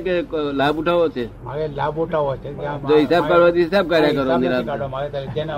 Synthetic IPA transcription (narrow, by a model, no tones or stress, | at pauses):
keklaːbuʈʰaʋot͡ʃʰe | aelabuʈʰaʋot͡ʃʰed͡ʒoɦɪsaːb̚kaɽʋod͡ʒiɪsab̚kaːɾjakəɾoniɾab